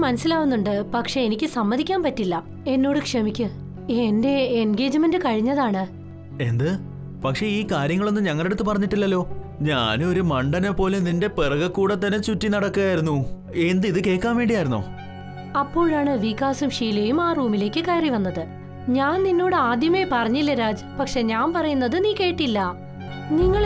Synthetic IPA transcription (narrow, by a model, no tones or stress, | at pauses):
mɐnɐsilaːʋunːuɳɖɨpɐkʂe̞enikʲːɨsɐmːɐðikʲːaːnpɐtːilːɐ | e̞nːo̞ːɽɨkʂɐmikʲːu | e̞nde̞enɡe̞ːd͡ʑɨme̞ndɨkɐɻiɲːɐðaːɳɨ | e̞nd̪ɨ | pɐkʂe̞iːkaːɾjɐŋːɐɭo̞nːɨɲɐŋːɐɭe̞ɽut̪ːɨpɐrɐɲːiʈːilːɐlːo̞ːɲa̰ːnɨo̞ɾumɐɳɖɐnepːo̞ːleninde̞perɐɣɐkːuːɽɐt̪ːɐnːet͡ɕutːinɐɽɐkːɨɣaːjiɾunːu | end̪iðɨkeːkːaːnʋe̞ːɳɖijaːjiɾunːo̞̰ː | ɐpːo̞ːɻaːɳɨʋikːaːsumʂiːjlejumaːruːmile̞ːkːɨkɐjriʋɐnːɐðɨ | ɲaːnninːo̞ːɽɨaːd̪jɐme̞ːpɐrɐɲːilːɐɾaːd͡ʑɨpɐkʂe̞ɲaːnpɐrɐjunːɐðɨniːke̞ːʈːilːɐ | niŋːɐɭ